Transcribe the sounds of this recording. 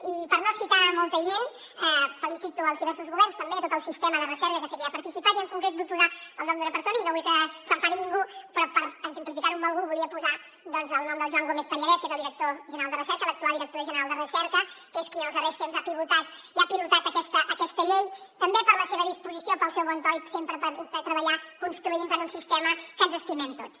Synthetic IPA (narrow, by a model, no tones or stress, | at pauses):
ipəɾnosit̪amɔlˠt̪əʒen | ɛfəlisit̪uəlzðiβɛɾsuzɣuβɛɾrnst̪əmbet̪ot̪əlˠsist̪eməðərəsɛɾkəkəsəɣiəpəɾt̪isipat̪iəŋkuŋkɾet̪̚but̪̚puzaəlˠnɔmd̪unəpəɾsonəinoβujkəsəmfaɾiniŋɡupɾɔpəɾənzəmplifik̪aɾumbəlˠɣuβuliəpuza | d̪ɔnzəlˠnɔmd̪əlˠʒwaŋɡomeθp̪əɲəɾɛskezəlˠd̪iɾək̚t̪oʒənɾalˠd̪ərəsɛɾkəlˠək̚t̪ualˠd̪iɾək̚t̪oʒənəɾalˠd̪ərəsɛɾkəkeskiəlˠzəβɛst̪emzapiβut̪at̪iapiβut̪at̪əkɛst̪əʔəkɛst̪əʎejt̪əmbepəɾləseβəðispuzisiopəlˠsɛwɔnt̪ɔjksempɾəpəɾfɛt̪ɾəβəʎakunst̪ɾuimpənunsist̪ɛməkənzəst̪imɛmt̪ot͡s